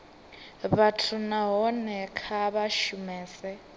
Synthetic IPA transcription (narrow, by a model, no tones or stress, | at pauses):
βatʰunaɦɔnɛkʰaβaʃumɛːsɛ